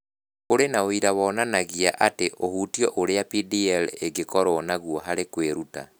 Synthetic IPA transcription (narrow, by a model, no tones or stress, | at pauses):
oɾenaoiɾawɔnanaɣiaʔateʔohutiɔʔoɾeapidiɛleɡekɔɾɔːnaɣwɔɦaɾekweɾuta̰